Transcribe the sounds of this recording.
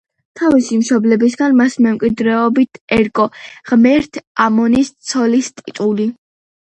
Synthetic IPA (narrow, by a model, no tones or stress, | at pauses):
t̪ʰavisimʃɔblɛbisɡanmasmɛmkʼwid̪ɾɛɔbit̪ʰɛɾkʼɔʁmɛɾt̪ʰamɔnist̪sʰɔlist̪ʼit̪ʼuli